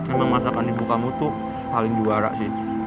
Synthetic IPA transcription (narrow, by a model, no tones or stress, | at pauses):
məmasakanibukamut̪ʊ | palɪŋd͡ʒuaɾa̰ʔsɪh